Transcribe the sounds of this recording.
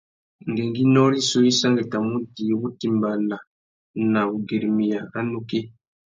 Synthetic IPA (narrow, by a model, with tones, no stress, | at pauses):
ŋɡe˨ŋɡi˦nɔ˦li˦so˦i˦sa˦ŋɡe˨ta˨mu˦di˨˦wu˦ti˨mba˨la˨ | na˨u˨ɡe˨ɾmi˨ja˨a˦nu˦ke˦